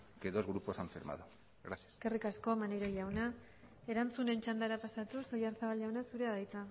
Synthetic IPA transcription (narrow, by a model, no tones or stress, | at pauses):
keðozɣɾupo̞saɱfiɾma̰ðu | ɣɾasiase̥skerikasko̞maneɾo̞ʎawna | e̞ɾant͡sune̞nt͡ʃand̪aeɾapasat̪uso̞jaɾsaβalʝawnasuɾeaðajt͡sa